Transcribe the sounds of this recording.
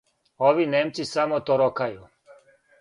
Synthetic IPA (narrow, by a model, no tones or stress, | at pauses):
oʋinemt̪sisamot̪oɾokʰaju